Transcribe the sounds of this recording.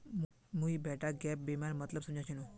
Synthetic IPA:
m | muibɛʈaɡɛp̚bimaɾmət̪ləbsumd͡ʑãt͡ɕinu

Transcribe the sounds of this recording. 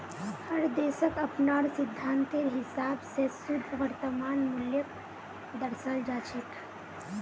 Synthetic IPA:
həɾd̪esəkəpnaɾsid̪ʱːant̪eɾɦisabsesud̪ʱʋəɾt̪əmaːnmuljək | d̪əɾsəld͡ʒat͡ʃʰit̪

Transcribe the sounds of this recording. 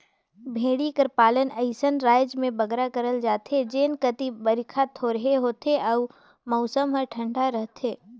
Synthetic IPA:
bʱeːɽikəɾpaːlənɐɪsənɾaːɪd͡ʒmẽbɐɡɾakəɾəld͡ʒaːt̪ɦed͡ʒeːnkət̪ibəɾɪkʰat̪ʰoɾəɦeɦoːt̪eʔɐʊ | mɔːsəmɦəʈʰə̃ɳɖaɾəɦt̪eː

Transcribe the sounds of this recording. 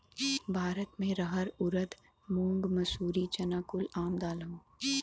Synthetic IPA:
bʱaːɾət̪mẽɾɐɦəɾʊɾəd̪ | mũːŋɡmɐsuːɾit͡ʃɐnaːkʊlaːmd̪aːləũ

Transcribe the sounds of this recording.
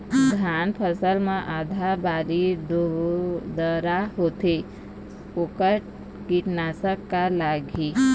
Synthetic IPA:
d̪ʱaːnpʰəsəlmẽʔaːd̪ʱabaːɾid̪od̪əɾaɦoːt̪e | okəɾ | kiʈnaːsəkːalaɡiː

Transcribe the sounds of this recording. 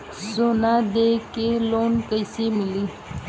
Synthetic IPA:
sonad̪ekeloːnkəjsemɪliː

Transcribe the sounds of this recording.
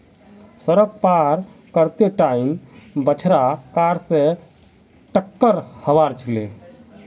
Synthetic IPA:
səɾək̚paɾ | kəɾt̪eʈaimbət͡ʃʰɾakaɾse | ʈəkːəɾhəʋaɾt͡ʃʰile

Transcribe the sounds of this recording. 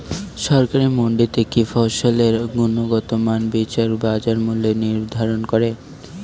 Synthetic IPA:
ʃɔɾkaɾimoɳɖit̪ekifoʃoleɾɡunoɡɔt̪omanbit͡ɕaɾbad͡ʑaɾmulːeniɾd̪ʱaɾonkoɾe

